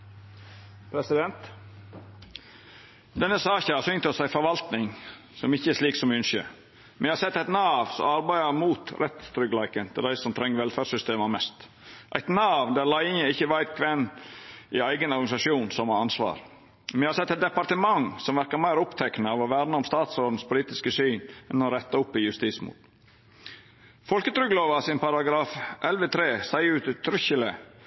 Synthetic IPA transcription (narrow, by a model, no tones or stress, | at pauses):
pʰɾɛsɪd̪ɛnt̪ | d̪ɛnːəsɑːçəhɑɾsʏnt̪ɔsæɪfɔɾʋɑlt̪nɪŋ | sɔmɪçːəɛʂliːksɔmʏnʃə̰ | mɛ̰njhɑːsɛt̪ːæɪt̪nɑːʋsɔ̰mɑɾbæɪəɾmuːt̪ɾʔɛt̪t̪ʰɾʏɡlæɪkənt̪ʰɪld̪æɪsɔmt̪ʰɾɛŋːʋɛlfæːsʏst̪eːməmɛst̪ | ʔæ̰ɪt̪nɑːʋd̪æɾlæɪɪŋəɪçːəʋæɪt̪̚kʰʋɛnː | ɪæɪɡənɔɾɡɑnɪsɑʂuːnsɔmɑɑnsʋɑ̰ːɾ | mɪhɑɾsɛt̪ːɛt̪̚d̪ɛpɑɾt̪əmɑŋsɔmʋæɾkəɾmæɪɾʊpt̪ʰɛknəɑʋɔʋæːɾnəʊmst̪ɑːt̪sɾoːd̪n̩spʰʊliːt̪ɪskəsyːnɛnɔɾɛt̪ːɑʊpːɪjʉst̪iːsmṵːt̪ | fɔlkət̪ʰɾʏɡloːʋɑsɪnpɑɾɑɡɾɑːfʔɛlʋət̪ʰɾeːsæɪʉːt̪t̪ʰːɾʏçələ̰